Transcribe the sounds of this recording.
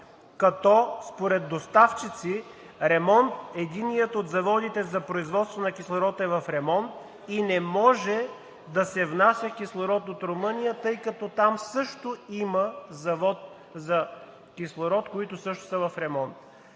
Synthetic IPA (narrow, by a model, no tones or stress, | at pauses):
kɐt̪ɔspoɾɛd̪ːost̪aft͡ʃit̪si | ɾɛmɔnt̪ɛd̪inijət̪ot̪zɐvɔd̪it̪ɛzɐpɾoizvɔt̪st̪vonɐkʲislˠoɾɔt̪ɛvɐfɾɛmɔnt̪ | inɛmɔʒɛ | d̪ɐsɛvnasʲjəkʲislˠoɾɔt̪ot̪ɾomɤnijət̪ɤjkɐt̪ɔt̪amsɤʃt̪oiməzɐvɔt̪̚ | zɐ | kʲislˠoɾɔt̪koit̪ʊsɤʃt̪ʊ̥səvɐfɾɛmɔnt̪